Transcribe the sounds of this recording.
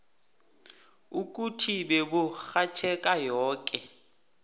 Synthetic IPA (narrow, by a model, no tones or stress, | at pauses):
ukʼutʰibɛbʊxat͡ʃʰɛkʼajɔːkʼɛ